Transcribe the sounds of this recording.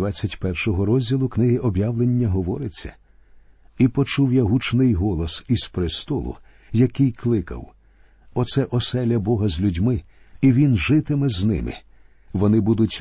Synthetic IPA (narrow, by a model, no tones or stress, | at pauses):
at͡sʲːɐtʲpɛrʃɔɦɔɾɔzʲdʲilˠʊknɪɦɪʔɔbjawlˠenʲːɐɦɔʋɔɾɪt͡sʲːɐ̰ | ipɔt͡ʃuwjaɦut͡ʃnɪjɦɔlˠɔsiz̥pɾɪst̪ɔlˠʊ̰ | jɐkɪjklˠɪkɐ̰w | ɔt̪sɛʔɔsɛlʲɐbɔɦɐzʲlʲudʲmɪ | iʋʲinʒɪt̪ɪmɛznɪ̰mɪ̰ | ʋɔnɪbud̪ʊtʲ